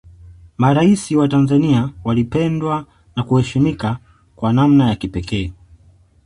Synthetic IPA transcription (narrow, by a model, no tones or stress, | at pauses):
maɾaisiwatanzaniawalipɛndwa | nakuhɛʃimika | kwanamnajakipɛkɛː